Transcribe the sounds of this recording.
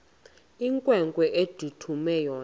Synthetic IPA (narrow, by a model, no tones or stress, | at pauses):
iŋkʼwɛŋkʼwɛʔed̥ʱutʰumɛjɔː